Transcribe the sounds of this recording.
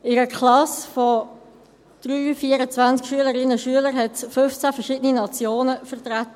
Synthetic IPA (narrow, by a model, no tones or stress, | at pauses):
ɪɾəkʰlɑsfɔ | d̥ʁyːfiːəɾət͡svænt͡skʃyələɾɪnəʃyələɾɦɛtfɵft͡sæfəʁʃɪdəninɑt͡sjoːnəfəʁtʁat̪ə